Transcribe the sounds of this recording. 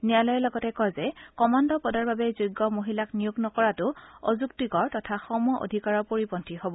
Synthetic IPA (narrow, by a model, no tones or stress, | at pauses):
nijalɔjɛlɔɡɔtɛkɔjzɛkɔmandɔpɔdaɹbabɛzujɡːɔmoɦilaknijuɡnɔkɔɹatʊozuktikɔɹtɔtʰaxɔmɔʔo̰dʱikaɹɔpoɹipɔntʰihobɔ